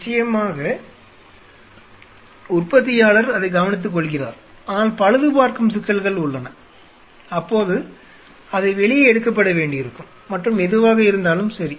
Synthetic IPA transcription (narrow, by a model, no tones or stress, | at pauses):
ɪt͡ʃːɐjɐmaːɣɐ | ʊrpɐt̪̬ːɪjaːɭɐɾɐðɐɪɡɐʋɐnɪt̪̬ːɯk̬ːɔɭɣɪra̰ːɾ | aːnaːlpɐɻɐðɯpaːɾkɯmsɪkːɐlɣɐɭʊɭːɐnɐ | ɐpːoːðɯ | ɐðɐɪʋɛɭɪjɐɛɽɯkːɐpːɐɽɐʋeːɳɖɪɪɾɯkːɯmːɐʈrɯmɛðɯʋaːɣɐɪɾɯnd̪aːlɯmsɐɾi